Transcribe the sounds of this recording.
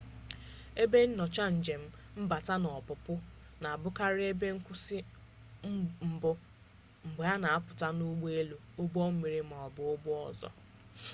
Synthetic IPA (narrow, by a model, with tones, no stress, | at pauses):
e˦be˦n̩˦nɔ˨t͡ʃa˦n̩˨d͡ʒe˨m̩˦m̩˦ba˨ta˦nɔ˨pʊ˨pʊ˦ | na˨a˨bʊ˦ka˦ɾɪ˦e˦be˦ŋ̩˦kʷʊ˦sɪ˦ | m̩˦m̩˨bʊ˦ | ŋ͡m̩˨ɡ͡ba˦na˨a˦pʊ˨ta˦nu˦ɡ͡be˦lu˨ | o˦bɔ˦m̩˦mi˨ɾi˦m̩˨ɔ˨bʊ˨ʊ˦bʊ˦ɔ̰˨zɔ̰˨